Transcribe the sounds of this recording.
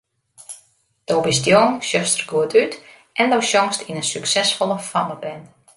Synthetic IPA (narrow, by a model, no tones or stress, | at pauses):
d̥owbɪstjoŋʃjøstərɡuətyt | ʔɛndowʃjɔŋstinənsyksɛsfɔlˠəfaməbɛn